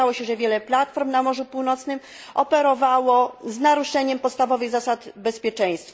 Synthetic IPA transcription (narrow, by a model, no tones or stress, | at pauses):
awɔɕɛʐɛvʲjɛlɛplat̪fɔɾmnamɔʐupuwnɔt̪snɘm | ɔpɛɾɔvawɔznaɾuʂɛɲɛmpɔt̪st̪avɔvɘɣzasat̪bɛspʲjɛt͡ʂɛ̃j̃st̪f